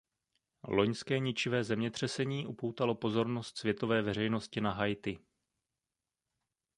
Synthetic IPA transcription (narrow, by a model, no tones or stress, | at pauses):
lo̞ɲskɛːɲɪt͡ʃɪvɛːzɛmɲɛt̪r̝̥ɛsɛɲiːʔupowt̪alo̞po̞zo̞ɾno̞st̪svjɛt̪o̞vɛːvɛr̝ɛjno̞scɪnaɦajt̪ɪ